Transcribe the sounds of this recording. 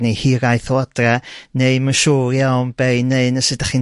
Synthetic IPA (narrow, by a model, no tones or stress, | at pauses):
nejhiɾajθoad̥raneɨmənʃuːrjawnb̥eɨneɨnəsɨdaχi